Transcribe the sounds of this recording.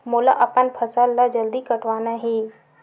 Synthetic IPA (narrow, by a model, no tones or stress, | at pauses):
moːla̰ʔɐpənpʰəsalːad͡ʒəld̪ikəʈʰʋaːnaɦiː